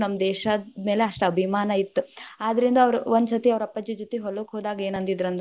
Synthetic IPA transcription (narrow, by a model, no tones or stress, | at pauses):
nɐmːɐd̪ɛːʃɐme̞ːleɐʂʈɐɐbʱimaːnɐit̪ːuaːd̪ɐɾind̪ɐːʋɐɾuʋond̪sɐt̪iɐʋɾɐpːɐd͡ʒjɐd͡ʒot̪ːiɦoloːkɦoːd̪aːɡɐe̞ːnɐnt̪id̪ɾɐnd̪